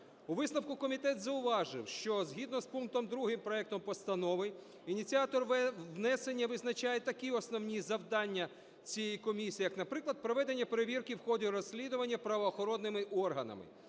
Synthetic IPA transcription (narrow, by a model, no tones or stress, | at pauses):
uʋɪsnɐwkʊkɔmʲit̪ɛt̪zɐʊʋɑʒɪwʃt͡ʃɔzɦʲid̪nɔspunk̚t̪ɔmd̪ɾuɦɪmpɾɔɛk̚t̪ɔmpɔst̪ɐnɔʋɪ | inʲit͡sʲiat̪ɔrʋnɛse̞nʲːɐʋɪznɐt͡ʃajet̪ɐkʲiɔsnɔwnʲizɐwd̪ɑnʲːɐ | t͡sʲijɛjikɔmʲisʲiːijɐknɐpɾɪklˠɐd̪̚pɾɔʋɛd̪e̞nʲːɐpeɾeʋʲirkɪwxɔdʲiɾɔsʲːlʲid̪ʊʋɐnʲːɐpɾɐʋɔːxɔɾɔnːɪmɪʔɔrɦɐnɐ̰mɪ̰